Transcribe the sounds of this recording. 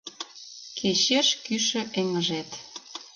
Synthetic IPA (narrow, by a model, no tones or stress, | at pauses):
kʰet͡ɕeʃkyʃə̆ʔeŋəʒet̪